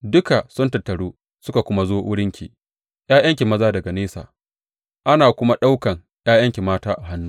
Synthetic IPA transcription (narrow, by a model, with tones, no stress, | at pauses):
dʊ˦ka˨sʊ˦ntɐ˨tːɐ˨ɽuː˦ | sʊ˦ka˨kʷʊ˦ma˦zoː˦ʔʊ˦ɽɪ˦ŋkʲḭ˨ | j̰ʔaː˦jɐ˦ŋkʲe˨mɐ˦zaː˦dɐ˨ɡa˨neː˦sa̰ː˨ | ʔa˦naː˨kʷʊ˦ma˦ɗa˦wkɐ˨ŋ | jaː˦jɐ˦ŋkʲe˨maː˦taː˦ʔa˨ɦa˦nːuː˦